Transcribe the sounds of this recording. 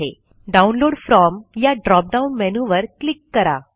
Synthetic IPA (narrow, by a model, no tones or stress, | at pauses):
ɦe | ɖaunloːɽfɾɔmjaɖɾɔp̚ɖaunmɛnuʋəɾklikːəɾa̰